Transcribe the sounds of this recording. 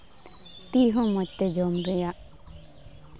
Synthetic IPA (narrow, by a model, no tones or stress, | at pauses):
t̪iɦɔ̃mɔc̚t̪ɛd͡ʒɔmɾɛjaʔ